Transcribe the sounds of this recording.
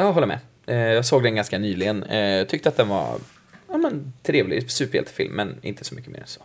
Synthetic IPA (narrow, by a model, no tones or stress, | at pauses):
jɑːɔlːəɾmɛ̰ | ɛjɑːɡsoːɡd̪ɛnɡanskanyːlɪɡənɑt̪ʰʏkt̪əat̪̚d̪ɛnva̰ | amənt̪ʰɾeːvlɪ̰sʉːpəɾhɛ̰lt̪ɪ̥fɪ̰lmːɛnɪ̰nt̪ʰə̥sɔmʏkːəmḛːɾɛ̰nsoː